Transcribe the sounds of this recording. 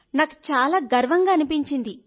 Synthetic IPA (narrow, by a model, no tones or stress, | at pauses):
naːku̥t͡ʃaːlaːɡɐɾʋɐŋɡaːɐnupiɲt͡ʃind̪i